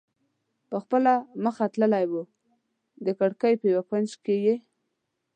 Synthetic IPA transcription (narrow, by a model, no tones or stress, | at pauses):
pəxpəlaməxat̪ləlajwu | d̪əkaɽkəjpəjawakwand͡ʒkeje